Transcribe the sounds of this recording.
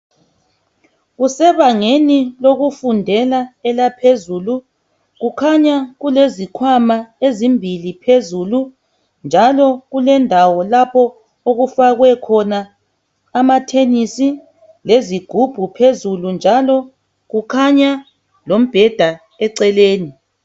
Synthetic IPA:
ɣusɛβaŋeniloɣufundʱɛlaɛlapʰezulu | ɣukʰaɲaɣulezikʰwamaezimbʱilipʰezulu | nd͡ʒʱalɔɣulɛndʱawɔlapʰɔ | oɣufaɣwɛkʰɔnaː | matʰenisi | leziɡ̥ʱub̥ʱupʰezulund͡ʒʱalɔ | ɣukʰaɲa | lom̩b̥ʱɛd̥ʱa | ɛǀɛleːni

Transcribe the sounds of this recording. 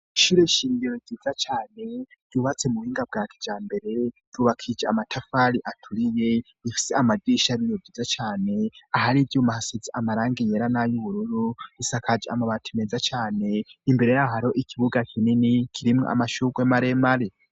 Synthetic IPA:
ʃuɾeʃiːɲɡiɾoziːzat͡ʃaːne̞̥ɟuβat͡se̞muhiːŋɡab̚ɡaːtʰi̥d͡ʒaːmbe̞ɾe̞d̥uβakʰid͡ʒaamatʰafaliʔatʰuɾije | ifi̥seamadiːʃaɾinovɟiːzat͡ʃaːne̞aɦaɾibɟumahasiziʔamaɾaːŋɡejeɾanajoβuɾuɾuisakʰad͡ʒia̰maβatʰimezat͡ʃaːne̞imbe̞ɾejaɦaɾo̞ʔikʰiβuɡakʰininikʰiɾimŋo̰a̰maʃukwemaɾemaɾe

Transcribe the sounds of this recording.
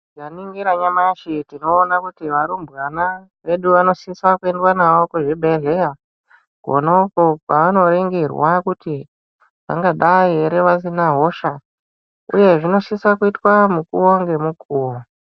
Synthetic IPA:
ʐaniŋɡiɾaɲamaʃitino̞ːnakutiʋaɾumbɣana | ʋe̞ɗuʋano̞ʃisakue̞ndwanawo̞koʐebʱeɮeja | ɡʱo̰noukokwaʋano̞ɾe̞ŋɡerwakuti | ʋa̰ŋɡaɗaeɾeʋas̬inaɦo̞ʃa | ṵje̞ʐino̞ʃisakuitwamukuwoŋɡe̞mukuːwo

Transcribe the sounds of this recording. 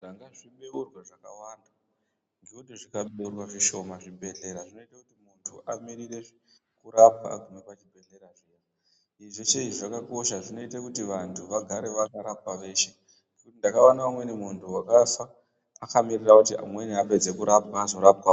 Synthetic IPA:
ʐaŋɡaʐimeurwaʐaka̰wanda | ndiodoʐikaɓeurwaʐiʃo̞maʐibʱe̞ɮe̞ɾaʐino̞itakutimuntʰuʔamiɾire̞ʐi | kuɾapa̰kunepat͡ʃibʱe̞ɮe̞ɾaʐija | iʐeʂeʐiʐakako̞ʃaʐino̞itakutiʋantʰuʋaɡʱaɾe̞ʋakaɾap̚aʋe̞ːʃe̞ | nkutindakawanaumwe̞nimuntʰuwakafa | akamirirakutia̰mweniape̞d͡ze̞kuɾapwazo̞ɾapwa

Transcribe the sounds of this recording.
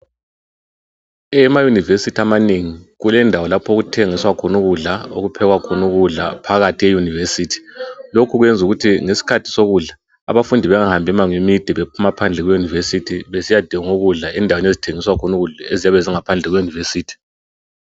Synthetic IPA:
ɛmajunivesitʰamaneŋiɣulɛndʱawɔlapʰoɣutʰeŋiswakʰɔnuɣuɮao̰ɣupʰɛɣwakʰɔnuɣuɮa̰pʰaɣatʰijejunivesiːtʰi̥lokʰuɣwɛnd͡zʱuɣutʰiŋesi̥kʰatʰi̥soɣuɮa | a̰βafundʱiβɛŋahambʱɛmaŋemid̥ʱiβepʰumapʰand͡ɮʱɛɣwɛjunivesitʰiβesijad̥ʱiŋoɣuɮaʔɛndʱawenezitʰeŋiswakʰɔnuɣuɮaeziaβeziŋapʰand͡ɮʱɛɣwɛjunivesiːtʰi̥

